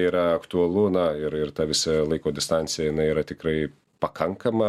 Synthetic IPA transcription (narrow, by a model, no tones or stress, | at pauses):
iːɾɐɐkt̪ʊɐlˠʊnɐɪɾɪrt̪ɐʋʲɪsʲɪlˠɐɪkoːd̪ʲɪst̪ɐnʲsʲɪjɛjɪnɐɪiːɾɐt̪ʲɪkɾɐɪ | pɐkʰɐŋkɐmɐ